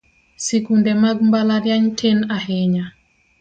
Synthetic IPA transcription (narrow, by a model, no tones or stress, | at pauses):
sekundɛmaɡmbalaɾjaɲtʰenaɦɪɲa